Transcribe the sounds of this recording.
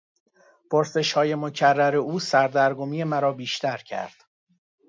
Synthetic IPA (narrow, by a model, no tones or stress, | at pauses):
pʰo̞ɾse̞ʃhɒːje̞mo̞cʰærːæɾe̞uːsæɾd̪æɾɡomiːe̞mæɾɒːbiːʃt̪ʰæɾcʰæ̰ɾd̪̥